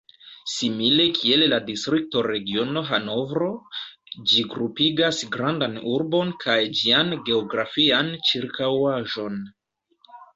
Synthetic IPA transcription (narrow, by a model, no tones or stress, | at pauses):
simile̞kʰie̞lladistɾik̚to̞ɾe̞ɡio̞no̞ɦano̞vɾo̞ | d͡ʒiɡɾupiɡasɡɾandanuɾbo̞nkʰajd͡ʒianɡe̞o̞ɡɾafiant͡ʃiɾkawaʒo̞n